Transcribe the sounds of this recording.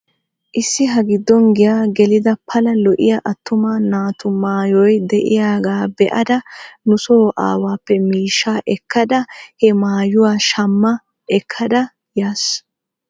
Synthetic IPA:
ʔɪsːɪɦɐɡɪd̪ːɔnɡɪjaːɡɛlɪd̪ɐpʰɐlɐlɔʔɪ̰jɐʔɐt̪ːʊmaːnaːt̪ʊmaːjɔjd̪ɛʔɪ̰jaːɡaːbɛʔɐd̪ɐnʊsoːʔa̰ːwaːpːɛmiːʃːaːʔɛkʰːɐd̪ɐhɛmaːjʊwaːʃɐmːɐ | ɛkʰːɐd̪ɐ | jaːs

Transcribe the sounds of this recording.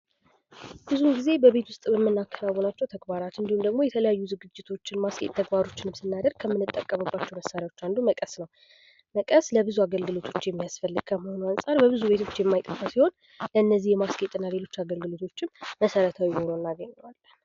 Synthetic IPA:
b̥ɨzuɡize̞bəβe̞t̪wʊst̪ʼbɛmːɨnːakʰːənawːonat͡ʃːɛwt̪ʰəɡbaɾat̪ɨnd̪ihumd̪əɡmo̞jɛt̪ʰələjajːuzɨɡɨd͡ʒːɪt̪ʰo̞t͡ʃːɪnmaskʼet̪ʼt̪ʰːəɡbaɾo̞t͡ʃːɪnɨmsɨnːad̪əɾɡ̚kʰəmːɨnːɨt̪ʼːəkʼːəməbːat͡ʃːɛwməsːaɾjawo̞t͡ʃːand̪uməkʼəsnəw | məkʼəsləbɨzuaɡəlɡɨlo̞t̪ʰo̞t͡ʃːjɛmːijasfəlːɨɡ̥̚kʰəməho̞nuansʼaɾbəβɨzuβe̞t̪ʰo̞t͡ʃːjɛmːajt̪ʼəfasiho̞n | ləɨnːəzːihjɛmaskʼet̪ʼnːale̞lo̞t͡ʃːaɡəlɡɨlot̪ʰo̞t͡ʃːɪnməsəɾət̪ʰawiho̞nonːaɡəɲːɛwalːən

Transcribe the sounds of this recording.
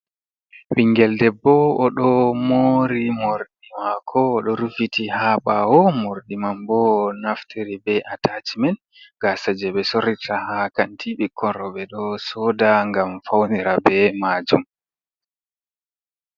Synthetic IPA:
wiŋɡɛldɛbːɔɔɗɔmoɾimoɾɗimakʰɔːɗɔɾufitʰihaɓawɔmoɾɗimambɔnaftʰiɾibɛʔatʰat͡ʃimɛn | ɡasad͡ʒɛɓɛsoɾitʰahakantʰiɓikʰːɔɾɔɓɛɗɔsɔdaŋɡamfawniɾabɛmaːd͡ʒum

